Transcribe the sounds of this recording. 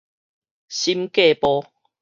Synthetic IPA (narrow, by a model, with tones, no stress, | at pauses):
ɕi˦mke˥˦˨pɔ˦